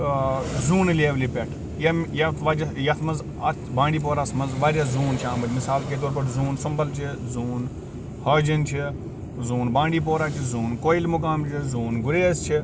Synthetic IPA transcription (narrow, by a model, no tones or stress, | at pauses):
zuːnleːʋliːpʲeʈʰ | jɐjɐt̪ʰʋɐd͡ʒjɐt̪ʰmɐz | ɐ | bãːɳɖiːp̬oːɾaːsmɐzʋaːɾʲazuːnt͡ʃʰãːmɐd͡ʒʲmɪsaːlkeːt̪̬oːɾpɐʈzuːnsɐmbɐlt͡ʃʰizuːn | hɐːd͡ʒɐnt͡ʃʰi | zuːnbãːɳɖiːp̬oːɾaːt͡ʃʰizuːnkoːilmʊk̬aːmt͡ʃʰizuːnɡʊɾeːst͡ʃʰi